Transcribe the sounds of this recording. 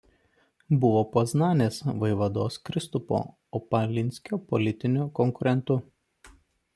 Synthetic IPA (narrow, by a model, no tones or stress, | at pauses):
bʊʋoːpɐznɑːnʲeːsʋɐɪʋɐd̪oːskɾʲɪst̪ʊpo̰ː | opɐlʲɪnʲsʲkʲopɔlʲɪt̪ʲɪnʲʊkɔŋkʊɾʲɛnt̪ʊ